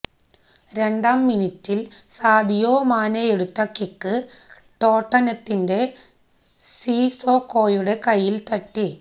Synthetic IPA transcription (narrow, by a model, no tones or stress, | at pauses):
ɾe̞ɳɖaːmːinitːilsaːd̪ʱijo̞ːmaːnɐjeɽut̪ːɐkikːɨ | ʈo̞ːʈːɐnɐt̪ːinde̞ | siːsoːkːo̞ːjuɽe̞kɐjːilt̪ɐʈːi